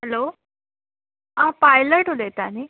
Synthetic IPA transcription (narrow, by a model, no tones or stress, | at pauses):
ɦɛlo | ãpajləʈɦolet̪ani